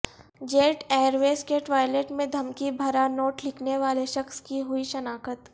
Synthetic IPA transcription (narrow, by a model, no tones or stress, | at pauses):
d͡ʒeːʈeːəɾʋeːskeːʈʋaːjleːʈmẽd̪ʱɐmkibʱɐɾanoːʈlɪkʰneʋaːleʃɐxskiɦʊiʃɐnaːkət̪